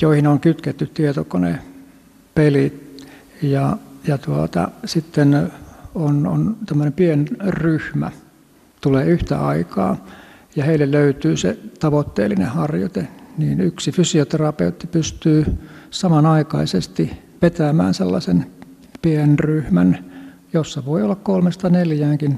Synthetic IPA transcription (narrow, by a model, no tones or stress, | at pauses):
joihinoŋkyt̪ket̪ːyt̪t̪iet̪okonḛ | pelit̪ | jɑjɑt̪uot̪ɑ̰sit̪ːenono̰nt̪æmːønempienryhmæ̰ | t̪uleːyht̪æ̰ʔɑikɑ̰ː | jɑheilːelløyt̪yːsḛt̪ɑʋot̪ːḛːlːinḛhɑrjo̰t̪eniːnyksifysiot̪erɑpḛut̪ːipyst̪yːsɑmɑnɑikɑisest̪i | pet̪æmæ̰ːnselːɑsen | pienryhmæn | josːɑʋoiolːɑkkolmest̪ɑneljæːŋkin